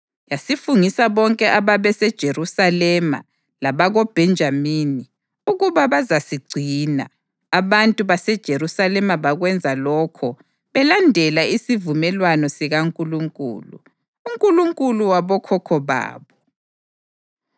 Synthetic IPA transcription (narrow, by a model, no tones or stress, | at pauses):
jasifuŋisaβɔŋkʼɛʔaβaβɛsɛd̥ʒ̥ʱeɾusalɛma̰ | laβaɣɔb̥ʱɛnd͡ʒʱamini | uɣuβaβazasiɡ͡ǀʱina̰ː | βantʼuβasɛd̥ʒ̥ʱeɾusalɛmaβaɣwɛnd͡zʱalɔkʰɔ | βɛlandʱɛlaisivumɛlwanɔsiɣaŋkʼuluŋkʼṵːlṵ | uŋkʼuluŋkʼuluwaβɔkʰɔkʰɔβa̰ːβɔ